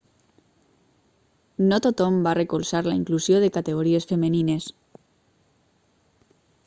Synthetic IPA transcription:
not̪ot̪ɔmbarekulˠsaɾlaiŋkluzjoðekat̪eɣoɾiesfemenines

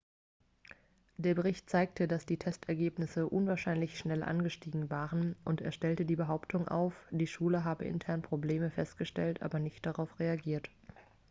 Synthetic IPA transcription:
d̥eːɐbəʁ̞ɪçtt͡saɪk̚tʰədasd̥iːtʰɛstʰɛɐɡeːpnɪsəʔʊnvaːɐʃaɪnlɪçʃnɛlʔa̰nɡəʃtiːɡŋ̩vaːʁənʔʊntḛːɐʃtɛltədiːbəɦaʊptʰʊŋʔa̰ʊfd̥iːʃuːləɦaːbəʔɪ̰ntʰɛɐnpʁ̥obleːməfɛstɡ̥əʃtɛltʰʔa̰ːbɐnɪçt̚d̥aʁaʊfʁeaɡiːɐt

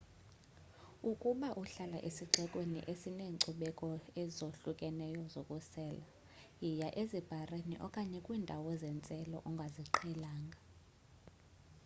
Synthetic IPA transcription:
ukʼuɓaʔuɬala̰ʔesiǀɛkʼwenḭʔesineːǀuɓɛkʼɔɛzoɬukʼɛnɛjɔzokʼusɛːla | jijaʔezib̥ʱareniʔɔkʼaɲɛkʼwiːndʱawɔzɛnt͡sʼɛlɔ̰ʔuŋɡʱaziǃʰɛlaːŋɡʱa

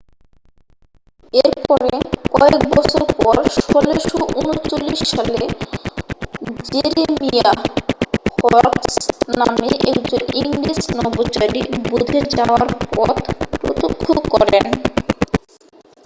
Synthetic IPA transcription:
eɾpɔɾekɔekbɔt͡ɕʰoɾpɔɾʃɔleʃoʔunot͡ɕolːiʃːale | d͡ʑeɾemija | hɔɾksnameʔɛkd͡ʑoniŋlisnɔbot͡ɕaɾibud̪ʱed͡ʑaoaɾpɔt̪pɾo̰t̪okʰːokɔɾen

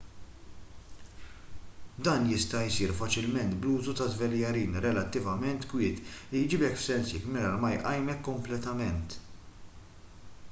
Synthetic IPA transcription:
d̪ɐːnjɪst̪ɐjsiːɾfɐt͡ʃɪlmɛnt̪bluːzut̪ɐzvɛljɐɾiːnɾɛlɐt̪ːɪvɐmɛnt̪kwɪːt̪ɪjd͡ʒiːbɛkfsɛnsjɛkmɛɾɐlmɐjʔɐjmɛkːɔmplɛt̪ɐmɛnt̪

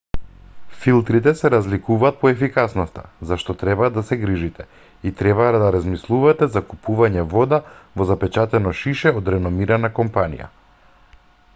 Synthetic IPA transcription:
filˠt̪ɾit̪ɛsɛɾazlikuvaːt̪̚pɔɛfikasnɔst̪a̰zaʃt̪ɔt̪ɾɛbaːd̪ːasɛɡɾiʒit̪ɛ | it̪ɾɛβad̪aɾazmislˠuvat̪ɛzakupuvaɲɛvɔd̪avɔzapɛt͡ʃat̪ɛnɔʃiʃɛɔd̪ɾɛnɔmiɾanakɔmpanḭja̰

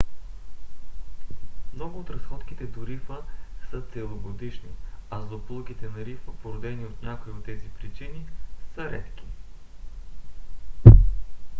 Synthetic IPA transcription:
mnɔɡʊːt̪ɾɐsxɔt̪ki̥t̪ɛt̪ʊɾifəsɤt̪sɛlˠoɡod̪it͡ʃnḭɐzd̪oplˠokit̪ɛnɐɾifəpoɾod̪ɛniot̪nʲakojot̪ːɛzipɾit͡ʃinisəɾɛ̰t̪k̟ʲi

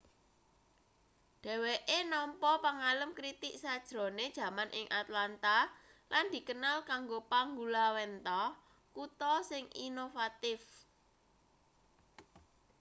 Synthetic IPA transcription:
ɖ̥ɛ̤weʔenɔmpɔpaŋaləmkɾit̪ɪʔsad̥ʒ̥ɾo̤ned̥ʒ̥ä̤manʔɪŋʔat̪lant̪a | lʔand̪̥i̤kənalkaŋɡopaŋɡulawɛnt̪ɔ | kut̪ɔsɪŋinofat̪ɪf

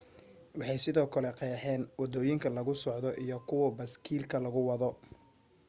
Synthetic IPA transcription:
wɑħɑjsɪðɔːkʰɐlɛqɑjħɛːnwɑd̪ɔːjɪŋkʰɐlɐɣʊsɔʕd̪ɔʔijɔkʰʊwɐbɐskʰiːlkʰɐlɐɣʊwɑðɔ

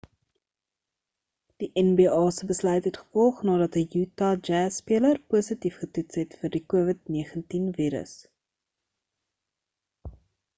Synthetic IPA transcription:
d̥iʔɛnbiːɑːsəbəslœɥtɦɛtχə̥fɔlˠχnɑːdɐtəjutɑd͡ʒæːsːpiələrpuəsətifχətutsɦɛtfərdikuəvətniəχəntinviːɾə̰s

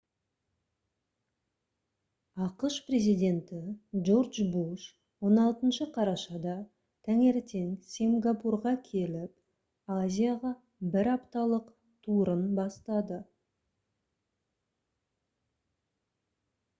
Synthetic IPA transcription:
ɑqəʃpre̞zijd̪ʲe̞nt̪ɪʒo̞rd̪ʒbuʃ | wo̞nɑlˠt̪ənʃəqʰɑɾɑʃɑd̪ɑ | t̪ʰæŋe̞ɾt̪e̞ŋsiŋɡapurʁɑkʲʰe̞lɪp | azʲijaʁɑ | bɪɾɑpt̪ɑlˠəq | t̪ʰuɾənbɑst̪ɑd̪ə

